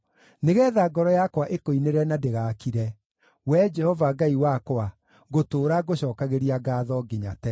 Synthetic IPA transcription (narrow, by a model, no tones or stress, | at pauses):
neɣɛðaːɡɔɾɔjakwaʔekoineɾɛnadeɣaːkiɾɛ | wɛd͡ʒɛhɔvaɡaiwakwa | ɣotoːɾaɣoɕɔːkaɣeɾiaɡaːðɔɡeɲa̰tɛ